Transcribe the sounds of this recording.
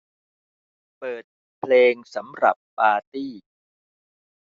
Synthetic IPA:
pɤː˨˩t̪̚ | pʰleː˧ŋsa˩˦mɾa̰˨˩pːaː˧t̪iː˥˩

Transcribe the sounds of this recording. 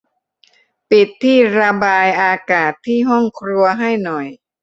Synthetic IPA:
pi˨˩t̪ʰːiː˥˩ɾa˧baː˧jʔaː˧kaː˨˩t̪ʰːiː˥˩ɦɔ˥˩ŋkʰɾu˧ɐɦa˥˩jnɔ˨˩j

